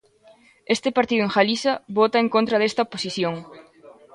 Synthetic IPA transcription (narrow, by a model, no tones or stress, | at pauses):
est̪ɪpaɾt̪iðʊeŋxalisɐβot̪aeŋkõnt̪ɾɐðest̪ɐoposiθjoŋ